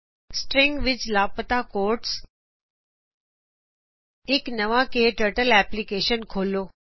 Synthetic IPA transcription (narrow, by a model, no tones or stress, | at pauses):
sʈɾɪ̃ŋɡʋɪt͡ʃlaːpət̪akoːɾʈs | ɪknɐʋãkeːʈəɾʈəlɛːplikeːʃənkʰoːloː